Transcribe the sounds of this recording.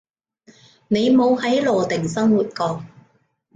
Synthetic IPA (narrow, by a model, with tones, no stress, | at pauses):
ne˨˧jmo˨˧whɐ˨˥jlɔː˨t̪ɪ˨˩ŋsɐ˥ŋwuː˨˩t̚kɔː˨˥k̚